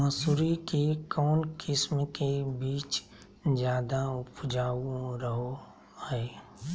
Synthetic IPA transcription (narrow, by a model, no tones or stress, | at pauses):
ə̃suɾikekɔːnkʰɪsmkebiːt͡ʃ | d͡ʒjaːd̪aʊpd͡ʒaːuɾəɦo | hɛː